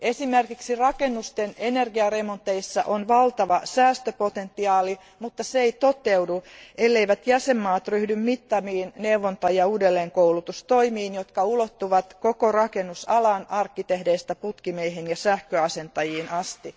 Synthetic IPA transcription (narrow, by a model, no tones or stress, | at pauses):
esimerkiksirɑkenːust̪enenerɡiɑremont̪ːeisːɑ̰ʔonʋɑlt̪ɑʋɑsæːst̪øpot̪ent̪ːiɑːli | mut̪ːɑseeit̪ot̪ewduʔelːeiʋæt̪jæsemːɑːt̪ryhdymmit̪ːɑmiːnneuʋont̪ɑjɑuːdelːeːŋkowlut̪ust̪o̞imiːnjot̪kɑulot̪ːuʋɑt̪kokorɑkenːusɑlɑnɑrkːit̪ehdeist̪æput̪kimeiɦenjɑsæhkøɑse̞nt̪ɑjiːnʔɑst̪i